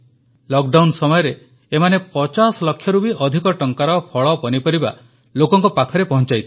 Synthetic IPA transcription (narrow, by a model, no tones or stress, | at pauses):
lɔk̚ɖawnsɔmɔjɔɾeː | manepɔt͡ʃasɔlɔkʰːjɔɾubʱiʔɔd̪ʱikɔʈɔŋkaɾɔpʰɔɭɔpɔnipɔɾiba̰ | lokɔŋkɔpakʰɔɾepɔɦɔnt͡ʃajt̪ʰi